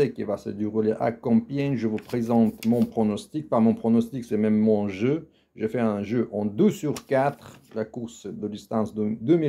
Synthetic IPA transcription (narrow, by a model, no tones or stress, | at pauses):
ɛkivasə̰d̪eʁuleʔa̰kɑ̃pjɛnʒəvupχezɑ̃t̪mɔ̃pχɔnɔst̪ik̚pamɔ̃pχɔnɔst̪iksɛmɛmːɔ̃ʒø | ʒefɛɛ̃ʒøʔɑ̃d̪usːyʁkat̪χlakuʁsd̪əd̪ist̪ɑ̃sd̪d̪ømi